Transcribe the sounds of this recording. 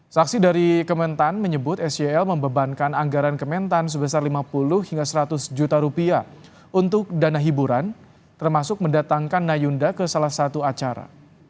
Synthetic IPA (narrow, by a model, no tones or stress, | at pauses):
saksidaɾikəmɛnt̪anməɲəbʊt̪ɛsɛɛlməmbəbankanaŋɡaɾankəmɛnt̪ans̬əbəsarlimapulʊhhiŋɡasəɾat̪ʊsd͡ʒut̪aɾupia | unt̪ʊk̚danaɦibuɾan | t̪ərmasʊk̚məndat̪aŋkanːajundakəsalahsat̪uat͡ʃaɾa̰